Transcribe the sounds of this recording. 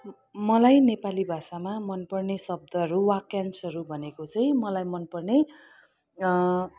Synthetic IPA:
mʌlajnepalibʱasamamʌnpʌrnesʌb̚d̪ʱʌɦʌɾuwakjansʌɾubʱʌnekot͡sʌj̃mʌlajmʌnpʌrne

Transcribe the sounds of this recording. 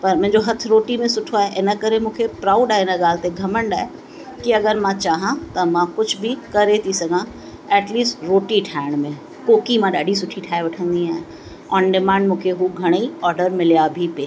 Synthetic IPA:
pɐɾmʊ̃ɦɪ̃ɲd͡ʑoɦɐt̪ʰʊɾoːʈimẽsʊʈʰoaːɦeʔɪnə̆kɐɾemũːkʰepɾaːʊɖaːɦeɪnəɠaːl̤ɪt̪eɡʱɐməɳɖaːɦe | kiɐɡəɾmãt͡ɕaːɦãt̪ɐmãkʊd͡ʑʱbʱikɐɾet̪ʰisɐɡʱã | ɛːʈliːsʈɾoːʈiʈʰaːɪɽ̃mẽ | koːkimãɗaːɖʱisʊʈʰiʈʰaːeʋɐʈʰə̃nd̪iaːɦẽ | ɔːnɖɪmãːɳɖmũːkʰeɦuɡʱɐɽ̃iɔːɾɖəɾmɪlijabʱipeː

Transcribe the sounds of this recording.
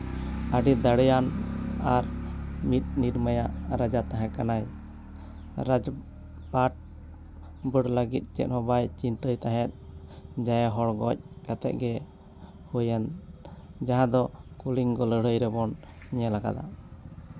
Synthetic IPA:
əɖid̪aɽɛjanaɾmit̪̚niɾməjaʔɾad͡ʒat̪aɦɛ̃kanaj | ɾad͡ʒ | paʈ̚ | bəɽləɡit̪̚ˀt͡ʃɛ̰t̪̚ˀhɔbajt͡ʃint̪əjt̪aɦɛt̪̚d͡ʒajaɦɔɽɡɔc̚kat̪ɛ̰ʔ̚ɡɛ | hujan | d͡ʒaɦãd̪ɔkuliŋɡɔləɽ̤əjɾɛbɔn | ɲɛlaɡa̰d̪a̰

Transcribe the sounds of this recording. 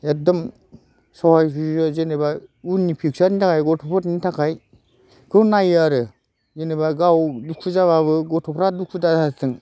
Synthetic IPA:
edɔm | sɔhajpʰiɯzenebaunipʰik̚saɾnitʰakajɡɔtʰɔpʰɔtnitʰakʰaj | kʰɯnajaɾɯ | zenebaɡawdukʰuzaβaβɯɡɔtʰɔpʰɾaduk̚ʰudaatʰɯŋ

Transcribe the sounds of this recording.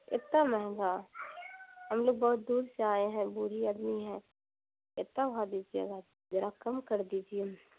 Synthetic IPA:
ɪt̪ːamɛɦɡa | ɦɐmloːɡ̚bɔːʊt̪̚d̪uːɾseaːeɦɛ̃buɾiəd̪miɦɛ̃ | ɪt̪ːaʋɐɦad̪id͡ʒiḛɡa | ɾakɐmkɐɾd̪iːd͡ʒie

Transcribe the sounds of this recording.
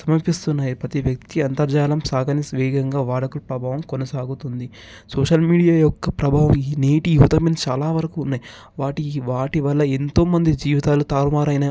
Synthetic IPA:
sɐmɐɾpist̪unːaːjipɐt̪iʋjɐk̚t̪iɐnt̪ɐɾd͡ʒaːlɐmsaːɡɐnisʋɛːɡɐŋɡaːʋaːɽɐkulpɾɐbʱaːʋɐmkonɐsaːɡut̪und̪i | sɔːʂɐlmiːɖijaːjɔkːɐpɾɐbʱaːʋɐmiːneːʈijuʋɐt̪ɐment͡ʃaːlaːʋɐɾɐkuːnːaːji | ʋaːʈiʋaːʈiʋɐlːɐent̪o̞ːmɐnd̪id͡ʒiːʋit̪aːlut̪aːɾmaːɾɐjnɐ

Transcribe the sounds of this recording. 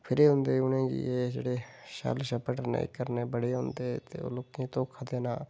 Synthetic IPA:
pʰɪɾiɦʊ̃nd̪eʊnẽːd͡ʒḭed͡ʒḛːɽeʃa̰ːlʃəpəʈnḛḭkəɾnebəɽ̤eɦʊ̃nd̪et̪eo̰lʊkẽt̪õːkʰəd̪eːnaː

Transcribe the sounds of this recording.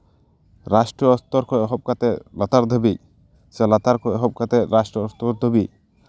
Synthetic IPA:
ɾasʈɾɔɔst̪ɔɾkʰɔɦɔb̚kat̪elat̪aɾd̪ʱɔbi | selat̪aɾkɔɦɔb̚kat̪eɾasʈɾɔɔst̪ɔɾd̪ʱɔbi

